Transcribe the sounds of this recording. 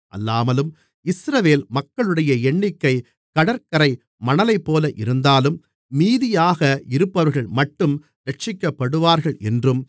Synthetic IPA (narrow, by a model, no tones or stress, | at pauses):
ʔɐ̰lːaːmɐlɯm | ɪsɾɐʋeːlmɐkːɐɭɯɽɐjɐɛɳːɪkːɐɪ | kɐɽɐɾkɐɾɐɪ | mɐɳɐlɐɪpːoːlɐʔɪɾɯnd̪aːlɯmː | iːðɪjaːɣɐɪɾɯpːɐʋɐɾɣɐɭmɐʈːɯm | ɾɐʈ̚t͡ʃɪkːɐpːɐɽɯʋaːɾɣɐɭɛndrɯm